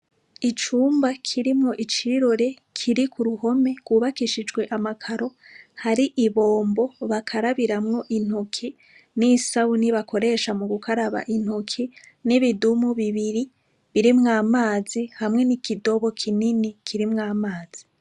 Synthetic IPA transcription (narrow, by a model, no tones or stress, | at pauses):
it͡ʃuːmbakʰiɾimŋo̞ʔit͡ʃiɾo̞ɾe̞ | kʰiɾikʰuɾuho̞me̞ɡ̥ɡwuːβakiʃid͡ʒɡwe̞ʔamakʰaɾo̞haɾiʔiβo̞ːmbo̞βakʰaɾaβiɾamŋo̞ʔin̥hukʰi | nisauniβako̞ɾe̞ʃamuɡukʰaɾaβa̰ʔin̥ukʰi | niβidumuβiβiɾi | βiɾimŋaːmaːzihamŋe̞nikido̞βo̞kʰininikʰiɾimŋaːmaːz̥i